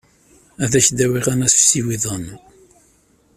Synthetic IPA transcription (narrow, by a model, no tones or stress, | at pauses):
æðæçd̪æwiʁænæsfsiwiðˤən